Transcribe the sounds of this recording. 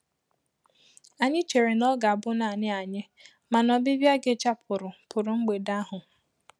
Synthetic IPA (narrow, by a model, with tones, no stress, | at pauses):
a˨ɲɪ˦t͡ʃe˨ɾe˨nɔ˦ɡa˨a˨bʊ˦na˨ɲɪ˦a˨ɲɪ˦ | ma˨nɔ˨bɪ˦bja˦ɡe˦t͡ʃa˦pʰʊ˨ɾʊ˨pʰʊ˨ɾʊ˨ŋ͡m̩˦ɡ͡be˨da˦ɦʊ˨